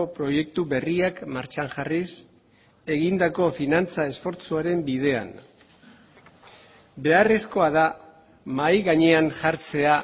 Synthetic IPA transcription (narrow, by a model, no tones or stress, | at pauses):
opɾo̞je̞k̚t̪uβe̞riakmaɾt͡ʃaŋʝaris | e̞ɣind̪ako̞finant͡sae̞sfo̞ɾt͡suaɾe̞mbið̞e̞a̰n | be̞are̞sko̞aða | majɣaɲe̞aŋʝaɾt͡se̞a